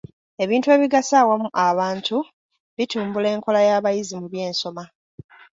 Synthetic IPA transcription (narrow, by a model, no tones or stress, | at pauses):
e̞βiːntue̞ːβiɡasaːwamuʔaβaːntu | βituːmbule̞ːŋko̞lajaːβajizimuβje̞ːnso̞ma